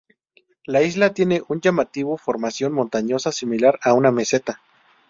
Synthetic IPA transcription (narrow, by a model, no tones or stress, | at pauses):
laizlat̪je̞neʔund͡ʒamat̪iβofoɾmasjonmo̞nt̪aɲosasimilaɾaunameset̪a